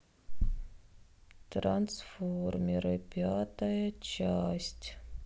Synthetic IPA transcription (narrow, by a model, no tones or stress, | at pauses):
t̪ɾansformʲɪɾɨpʲat̪ɐjət͡ɕasʲtʲ